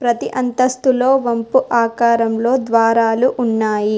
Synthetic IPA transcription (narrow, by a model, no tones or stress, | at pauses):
pɾɐt̪iʔɐnt̪ɐst̪ulo̞ːʋɐmpuʔaːkaːɾɐmlo̞ːd̪ʋaːɾaːluʔunːaːji